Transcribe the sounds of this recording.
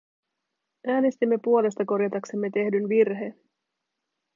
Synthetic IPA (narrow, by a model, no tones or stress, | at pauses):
ʔæːne̞st̪imːe̞puo̞le̞st̪ɑko̞ɾjɑt̪ɑkse̞mːe̞t̪e̞hdynʋirɦe̞n